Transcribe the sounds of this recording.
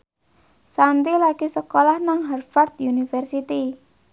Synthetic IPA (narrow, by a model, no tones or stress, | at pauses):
sant̪ilakisəkolahnaŋɦɛrfart̪̚junifɛrsit̪i